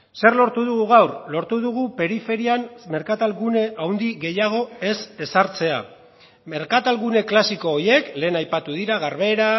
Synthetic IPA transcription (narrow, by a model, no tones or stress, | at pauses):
se̞ɾlo̞ɾt̪uðuɣuɣawrlo̞ɾt̪uðuɣ̞upe̞ɾife̞ɾiamme̞ɾkat̪alɣune̞ʔawnd̪iɣe̞jaɣ̞o̞e̞se̞saɾt͡se̞a̰ | me̞ɾkat̪alɣune̞klasiko̞ːje̞kle̞ːnajpat̪uðiɾaɣ̞aɾβe̞ɾa